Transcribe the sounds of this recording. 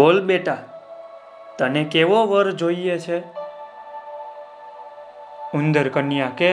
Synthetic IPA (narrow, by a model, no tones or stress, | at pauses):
olɓeʈa | t̪ənekeʋoʋəɾd͡ʒoiet͡ʃʰe | und̪əɾkənijãke